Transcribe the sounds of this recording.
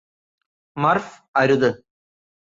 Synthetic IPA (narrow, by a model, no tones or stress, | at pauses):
mɐrf | ɐɾuðɨ